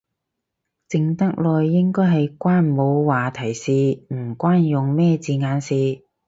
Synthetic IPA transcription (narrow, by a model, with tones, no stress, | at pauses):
t͡sɪ˨˧ŋt̪ɐ˥k̚lɔː˨jːɪ˥ŋkɔː˥jɦɐ˨jkʷaː˥nmo˨˧wwaː˨˩t̪ʰɐ˨˩jsiː˨˧m̩˨˩kʷwaː˥njʊ˨ŋmɛː˥t͡siː˨˧ŋaː˨˧nsiː˨˧